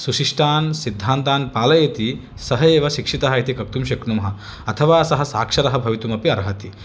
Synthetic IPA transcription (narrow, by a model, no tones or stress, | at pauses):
suʃiʂʈaːnsid̪ʱːaːnt̪aːnpaːlɐjeːt̪i | sɐɦɐeːʋɐʃikʂit̪ɐɦɐit̪ikɐk̚t̪umʃɐkɳumɐɦɐ̆ | ɐt̪ʰɐʋaːsɐɦɐ̆saːkʂɐɾɐɦɐ̆bʱɐʋit̪umɐpiɐɾɦɐt̪i